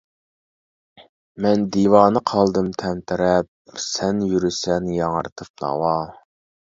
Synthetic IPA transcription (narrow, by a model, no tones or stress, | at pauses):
mɛnd̪iwɑːnɨqʰɑlˠd̪ɨmt̪ʰɛmt̪ʰɪɾɛp̚ | sɛnjyɾysɛnjɑŋə̰ɾt̪ʰɨp̚nɑ̰wɑ